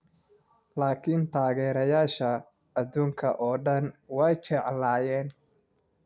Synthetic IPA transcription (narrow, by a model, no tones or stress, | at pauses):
laːkʰint̪ʰaːɣɛːɾɐjaːʃɐ | ɐðuːŋkʰɐʔɔːɖɐnwɛjt͡ʃɛʕlaːjɛːn